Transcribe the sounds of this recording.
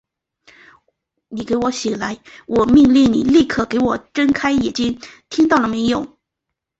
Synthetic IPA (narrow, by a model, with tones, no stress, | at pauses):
ni˨˩ke˧˥ɪwɔ˧˥ɕi˨˩la˧˥ɪwʔɔ˨˩mi˥˧ŋli˥˩ŋni˨˩li˥˩kʰɤ˨˩ke˧˥ɪwɔ˨˩ʈ͡ʂə˥nkʰa˥ɪjɛ˨˩t͡ɕi˥ŋt̪ʰi˥ŋt̪ɑ˥˩ʊlə˩me˧˥ɪjo˨˩˦